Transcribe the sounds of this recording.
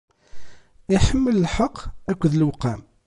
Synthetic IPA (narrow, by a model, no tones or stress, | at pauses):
ɪħəmːələlħəqʰːækʷːəðlwqːæm